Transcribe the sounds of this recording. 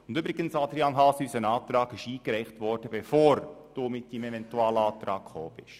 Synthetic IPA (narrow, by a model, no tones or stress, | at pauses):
ʊndybɾɪɡənsɑd̥̪ɾjɑnɦɑsysənɑːtɾɑːɡɪʃiːkɾɛɪχtʋɔɾd̥əbɛfoːɾd̥uːmɪt̚dimɛvɛntuɑːləɑːt̪ɾɑ̰ːkχo̰ːb̥ɪʃ